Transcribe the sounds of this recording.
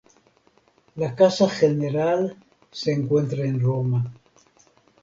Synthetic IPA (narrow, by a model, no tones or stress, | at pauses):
lakasaxeneɾal | seːŋkwe̞nt̪ɾaenroma